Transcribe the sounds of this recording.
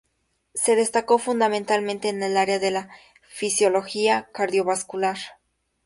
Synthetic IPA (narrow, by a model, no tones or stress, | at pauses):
se̞ðe̞st̪ako̞fund̪amẽnt̪almẽnt̪e̞ːne̞laɾeaðe̞la | fisjo̞lo̞xiakaɾðjo̞βaskulaɾ